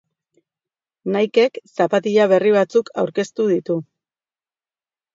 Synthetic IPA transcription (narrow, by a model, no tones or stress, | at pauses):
najke̞ksapat̪iʎaβ̞e̞riβ̞at͡sukʰawɾke̞st̪uðit̪u